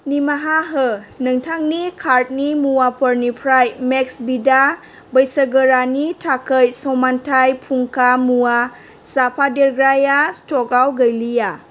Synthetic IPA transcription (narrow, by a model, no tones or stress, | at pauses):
nimaɦaɦɯnɯŋtʰaŋnikʰaɾt̚nimuwapʰɔɾnipʰɾajmek̚sbida | bəjsəɡəɾanitʰakʰəjsɔmantʰajpʰuŋkʰamuwa | sapʰadeɾɡɾajastɔkawɡəjlija